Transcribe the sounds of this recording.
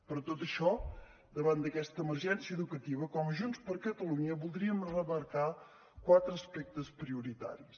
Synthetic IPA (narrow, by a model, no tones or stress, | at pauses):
pɾɔt̪ot̪əʃɔ | d̪əβand̪əkɛst̪əːməɾʒɛnsiəːðukət̪iβəkɔmʒunspəɾkət̪əluɲəβulˠd̪ɾiəmrəβəɾka | kwat̪ɾəːspɛk̚t̪əspɾiuɾit̪a̰ɾis